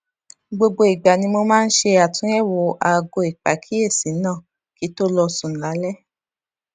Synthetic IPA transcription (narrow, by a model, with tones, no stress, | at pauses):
ɡ͡bo˧ɡ͡bo˧i˨ɡ͡ba˨nĩ˧mo˧mãː˦˧n̩˦ʃe˧a˨tũ˨˦ɛ˦˨wo˨a˨˧ɡo˧i˨k͡pa˨kʰi˨˦e˦˨sĩ˨˦nã˦˨ | ki˨˦to˦lɔ˧sũ˨n̩˨la˨˦lɛ˦